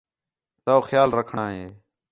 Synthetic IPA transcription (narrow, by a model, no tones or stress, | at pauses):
t̪aoːxjaːlɾəkʰɳaːɦeː